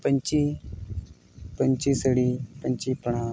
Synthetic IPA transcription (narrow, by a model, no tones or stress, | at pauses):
pəɲt͡ɕi | pəɲt͡ɕisəɽipəɲt͡ɕipəɳ̤ã